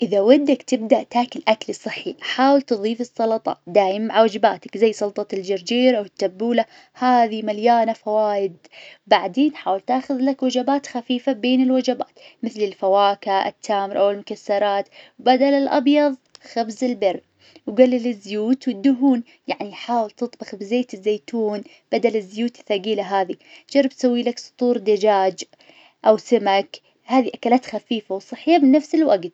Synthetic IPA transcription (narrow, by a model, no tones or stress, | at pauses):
ʔɪðawad̪ːakt̪ɪb̚d̪aʔt̪aːkɪlʔaklisˤɨħːiħaːwɪlt̪ɨðˤiːfɨsˤːɑlɑt̪ˤɑ̰d̪aːjɪmmaʕawad͡ʒɪbaːt̪ḁkzajːsˤʊlt̪ˤɑld͡ʒɪɾd͡ʒiːɾʔawɪt̪ːabːuːla | haːðimaljaːnafawaːjɪd̪wbaʕd̪eːnħaːwɪlt̪aːxʊðlakwad͡ʒabaːt̪xafiːfabeːnɪlwad͡ʒaba̰ːt̪mɪθlɪlfawaːkaʔɪ̰t̪ʰːaːmɾʔawɪlmʊkasːɑɾˤɑːt̪wbad̪alɪlʔɑ̰bjɑðˤxabzɪlbɪrː | wɡalːilɪzːjuːt̪wɪd̪ːʊɦuːn | jaʕniħaːwɪlt̪ɨt̪ˤbɑxbɪzeːt̪ɪzːeːt̪uːn | b̥ad̪alɪzːjuːt̪ɪ̥θːaɡiːlaɦaːðid͡ʒɑrˤːɑb̚t̪sawːilaksˤʊ̥t̪ˤuːɾd̪ad͡ʒaːd͡ʒ | ʔawsɪmak | haːðiʔakalaːt̪xafiːfawsˤɨħijabnafsɪlwaɡt̪̚